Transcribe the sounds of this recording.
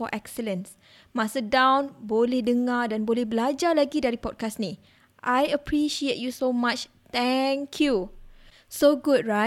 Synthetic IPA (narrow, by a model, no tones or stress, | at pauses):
fɔʔɛksələ̃ns | mãsədãwnbolɛhdəŋadãnbolɛhbəlad͡ʒalaɡidaɾipɔd̚kasnĩ | ʔajəpʰɹiʃiet̚jusomãt͡ʃ | t̪ɛŋkʰju | soɡud̚ɹa